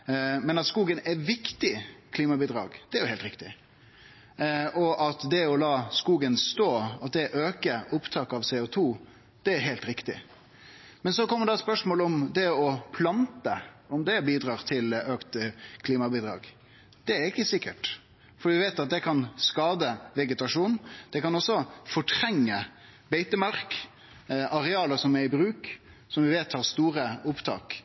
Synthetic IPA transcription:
mɛnɑt̪skuːɡənɛʋɪkt̪ɪkʰliːmɑbiːd̪ɾɑːɡd̪̥ɛæɾjʊhɛɪlɾɪkt̪ɪ | ʔɔʔɑt̪d̪ɛɔlɑːskuːɡənst̪oːɑt̪̚d̪ɛʔøːkəʔʊpt̪ʰɑːkɑʋsɛːʊt̪ʰuː | d̪̥ɛæɾɦeːlt̪ɾɪkt̪ɪ̰ | mɛnsɔkɔmːəɖ̪d̪ɑɛt̪spœʂmoːlɔmd̪ɛɔpʰlɑnt̪əɔmd̪ɛbiːd̪ɾɑːʁt̪ʰɪløːkt̪kʰliːmɑbiːd̪ɾɑ̰ːɡ | d̪̥ɛæɾɪkːəsɪkːəʈ | fɔɖiːʋɪʋeːt̪ɑt̪̚d̪ɛkʰɑnskɑːd̪əʋɛɡət̪ɑʂuːnd̪̥ɛkɑnɔsːɔfɔʈʰɾɛŋːə | beɪt̪əmɑɾk | ʔɑɾɛɑːləsɔmɛɾɪbɾʉːk | sɔmʋɪʋeːt̪hɑʁst̪uːɾəʊpt̪ʰɑ̰ːk

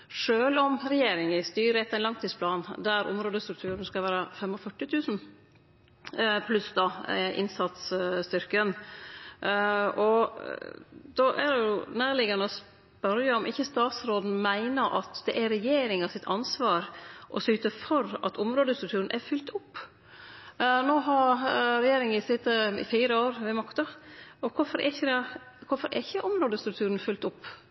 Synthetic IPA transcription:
ʂøːlɔmɾɛjeːɾɪŋɪst̪yːɾəɛt̪ːæɪnlɑŋt̪ʰiːspʰlɑːnd̪æɾʔʊ̰mɾoːd̪əst̪ɾʉk̚t̪ʰʉːɾənskɑʋæːɾəfɛmɔfœʈːɪt̪ʰʉːsn̩ | pʰlʉsd̪ɑʔɪ̰nsɑt̪sst̪ʏɾkən | ʔɔ | d̪̥ɔʔæ̰d̪ɛjjʊnæːɾlɪɡɑnəɔs | pœɾjəɔmʔɪçːəst̪ɑːt̪sɾoːd̪n̩mæɪnəɾʔɑ̰t̪d̪ɛʔæɾɛjeːɾɪŋɑsɪt̪ʰɑnsʋɑːɾʔɔsyːt̪əfɔɾɑ̰t̪ʊmɾoːd̪əst̪ɾʉkt̪ʉːɾnʔæɾfʏlt̪ʊpː | noːɦɑɾɾɛjeːɾɪŋɪsɪst̪ə̰fiːɾəoːɾʋɛmɑkt̪ɑɔkʰʊɾfɔɾɛ̰ɪçəd̪ɛ | kʰʊɾfɔɾɛ̰ɪçəʔɔmɾoːd̪əst̪ɾʉk̚t̪ʰʉːɾən̩fʏlt̪ʊpː

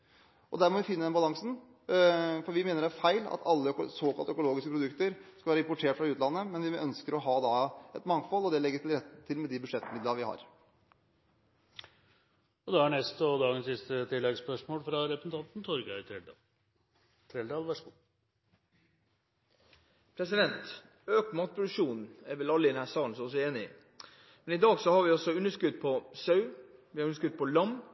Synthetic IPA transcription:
ʔɔd̪æːɾmɔʋɪfɪnːəd̪ɛnbɑlɑŋsn̩ | fɔɾʋɪmeːnəɾæɾfæɪlɑ̰t̪ʰɑlːəsoːkɑlt̪œkʊloːɡɪskəpɾʊd̪ʉkt̪əɾskɑʋæːɾəɪmpʊʈʰeːʈfɾɑʉːt̪lɑnːəmɛnʋɪœnskəɾɔɦɑːd̪ɑɛt̪mɑŋfɔlːɔd̪ɛlɛɡːəɾt̪ʰɪlɾɛt̪ːt̪ʰɪlmɛd̪ɪbʉʂɛt̪ːmɪd̪ləʋɪhɑ̰ɾ | ɔd̪ɛæɳɛst̪ɔd̪ɑːɡənsɪst̪ət̪ʰɪlːɛɡspœʂmoːlfɾɑɾɛpʰɾəsn̩t̪ɑnt̪n̩t̪ʰɔɾɡɑʏt̪ʰɾɛld̪ɑ̰ːl | t̪ʰɾɛld̪ɑːlʋæʂəɡu | pʰɾɛsɪd̪ɛnt̪ | øːkmɑːt̪̚pʰɾʊd̪ʉkʂuːnn̩ɛɾʋɛlɑlːəɪd̪ɛnhæːɾsɑːln̩sɔɔs̬ɔeːnɪ | mɛnɪd̪ɑːɡsɔhɑɾʋɪɔsɔʉnːəʂkʉd̪pʰɔsœʉʋɪɑɾʉnəʂkʉd̪̚pʰɔlɑm

